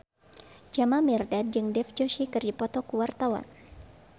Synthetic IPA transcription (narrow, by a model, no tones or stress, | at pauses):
d͡ʒamamɛrdat̚d͡ʒɨŋdɛfd͡ʒoʃikɨrdipɔt̪ɔkuwart̪awa̰n